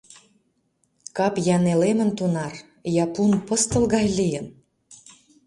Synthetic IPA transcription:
kɑpjɑnelemə̆nt̪unɑr | jɑpunpəst̪ə̆lɣɑjlijən

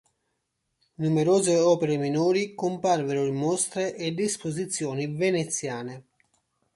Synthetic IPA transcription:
numeɾoːzeɔːpeɾeminuːɾikʊmparveɾʊlemɔst̪ɾeʔːdespozit̪sːjɔːnivenet̪sːjaːne

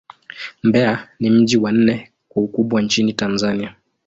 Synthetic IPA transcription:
mbɛanim̩ʄiwan̩nɛ | kwaukuɓwant͡ʃinitanzania

